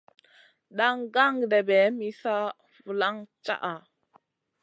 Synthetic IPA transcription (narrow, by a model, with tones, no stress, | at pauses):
ɗa˦ŋɡa˦ŋɡde˨be˨˦mi˦sa˦ | fu˨la˦ŋt͡ʃa̰˦ʔa˨